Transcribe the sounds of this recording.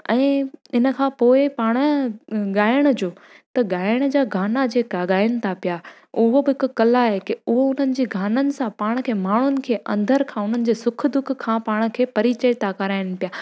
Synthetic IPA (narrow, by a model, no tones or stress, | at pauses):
ɛ̃ːɪnə̆kʰãːpoːɪpaːɽ̃ə̆ɠaːɪɽ̃̆d͡ʑoː | t̪ɐɠaːɪɪɽ̃̆d͡ʑaːɡʱaːnad͡ʑeːkaɠaːjʊñɪ̆t̪ʰapija | ʊɦobɪɦɪkʊkɐlaɦekɪʊɦoʊn̤ənɪ̆d͡ʑeːɡʱaːnənɪ̆sãpaːɽ̃̆kʰeːmaːɳ̤ʊnɪ̆kʰeːʔɐ̰̃nd̪ʱəɾkʰãːʊn̤ənɪ̆d͡ʑeːsʊk̆ʰd̪ʊkʰːãːpaːɽ̃ə̆kʰeːpɐɾit͡ɕət̪ʰakɐɾaːɪɽ̃̆pijaː